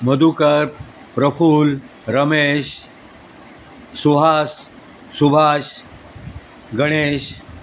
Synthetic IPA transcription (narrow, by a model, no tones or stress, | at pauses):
məd̪ukəɾ | pɾəfuːl | ɾəmeɕ | suɦasː | ubʱaɕ | ɡəɽ̃eɕ